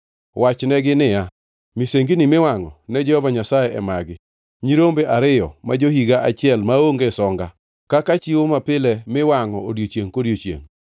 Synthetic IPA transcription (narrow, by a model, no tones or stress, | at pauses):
wat͡ʃnɛɡɪnɪja | miseŋɡinɪmɪwaŋɔ̰nɛd͡ʒɛhɔvaɲasajɛʔɛ̰maɡɪ | ɲiɾombeʔaɾɪjɔ̰mad͡ʒohiɡaʔat͡ʃɪɛlmaoŋɡɛsɔŋɡa | kakat͡ʃiwomapɪlɛmɪwaŋɔodjot͡ʃjeŋkoɾjot͡ʃjḛŋ